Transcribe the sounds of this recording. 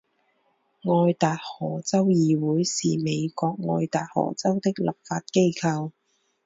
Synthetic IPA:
ŋɔː˧jt̪aː˨t̚hɔː˨˩t͡sɐ˥wjiː˨˧wuː˨˥jsiː˨˩me˨˧jkɔː˧k̚ŋɔː˧jt̪aː˨˩t̚hɔ̰ː˨˩t͡sɐ˥wt̪ɪ˥k̚lɐ˨˩p̚faː˧t̚ke˥jkʰɐ˧w

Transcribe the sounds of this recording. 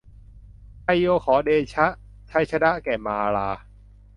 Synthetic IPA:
pʰa˧jjoː˧kʰɔː˩˦deː˧t͡ɕʰa˦˥ʔ | t͡ɕʰa˧˥jt͡ɕʰa˧na˦˥ʔkɛː˨˩maː˧laː˧

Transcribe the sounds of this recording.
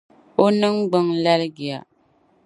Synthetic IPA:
o˦nɨ˦ŋɡ͡bɨ˦ŋla˦lɨ˦ɡi˨a˨

